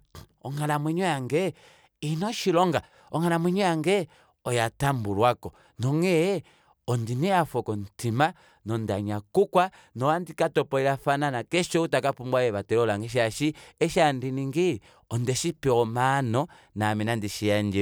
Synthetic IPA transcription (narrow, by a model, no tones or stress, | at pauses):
ɔŋalamwiɲwɔaŋɡɛ | inɔʃilɔŋɡa | ɔŋanamwiɲɔaŋɡɛ | ɔjatambulwakɔ | nɔŋɛj | ɔndiniafɔkɔn̩tima | nɔndaɲakukwa | nɔwandikatɔpɔiɾafananakɛʃɔutakapumbwajɛβatɛɾɔlaŋɡɛʃ̬aʃiɛʃandiniŋɡi | ɔndɛʃipiɔmanɔ | naminandiʃijand͡ʒi